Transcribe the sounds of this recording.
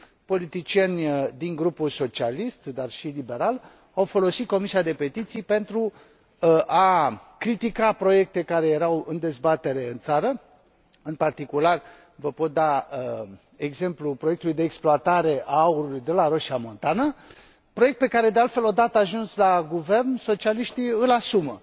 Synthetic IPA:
po̞lit̪it͡ʃienʲd̪iŋɡɾupulso̞t͡ʃialist̪d̪arʃilibe̞ɾal | awfo̞lo̞sit̪̚ko̞misiad̪e̞pe̞t̪it̪sijpe̞nt̪ɾu | ʔakɾit̪ikapɾo̞je̞k̚t̪e̞kaɾe̞je̞ɾawɨnd̪e̞zbat̪e̞ɾe̞ɨnt̪saɾə | ɨnpart̪ikular | vəpo̞t̪̚d̪aə | eɡze̞mplupɾojekt̪ulujd̪eːksploat̪aɾe̞ʔaauɾulujd̪e̞laɾo̞ʃiamo̞nt̪anə | pɾo̞jek̚t̪pe̞kaɾe̞d̪e̞alt̪felod̪at̪əaʒunslaɡuve̞rnso̞t͡ʃialiʃt̪iɨlasumə̰

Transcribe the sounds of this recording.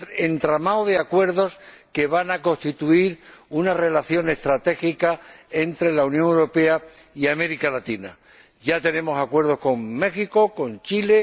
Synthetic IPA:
ent̪ɾamawðeakwe̞ɾðo̞s | ke̞βanako̞nst̪it̪uiɾunare̞laθjo̞ne̞st̪ɾat̪e̞xikae̞nt̪ɾe̞launjõ̞ŋewɾo̞pe̞aiame̞ɾikalat̪ina̰ | ɟ͡ʝat̪e̞nẽ̞mo̞sakwe̞ɾð̞o̞sko̞ŋme̞xiko̞ko̞nt͡ʃile̞

